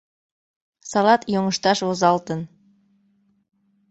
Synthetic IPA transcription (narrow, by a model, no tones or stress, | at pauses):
sɑlɑt̪joŋəʃt̪ɑʃβozɑlt̪ə̆n